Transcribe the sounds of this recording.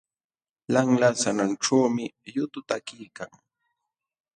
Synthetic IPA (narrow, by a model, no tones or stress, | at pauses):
laŋlasananʈ͡ʂawmɪjʊt̪ʊt̪akijkaŋ